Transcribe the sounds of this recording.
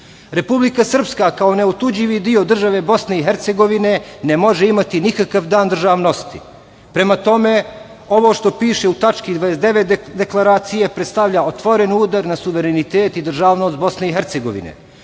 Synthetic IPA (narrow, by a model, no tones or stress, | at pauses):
ɾe̞publikasr̩pskakaone̞ut̪ud͡ʑiʋid̪io̞d̪r̩ʒaʋe̞bo̞sne̞iɦeɾt̪se̞ɡo̞ʋine̞nemo̞ʒeimat̪inikakaʋd̪aːnd̪rʒaːʋno̞st̪ḭ | pɾe̞mat̪o̞me̞ | o̞ʋo̞ʃt̪o̞piːʃe̞ut̪at͡ʃkid̪ʋaesd̪e̞ʋet̪d̪e̞klˠaɾaːt̪sijepɾet̪st̪aʋʎaot̪ʋo̞ɾe̞nuːd̪aɾnasuʋe̞ɾenit̪eːt̪id̪r̩ʒaːʋnost̪̚bo̞sneiɦeɾt̪se̞ɡo̞̰ʋḭnḛ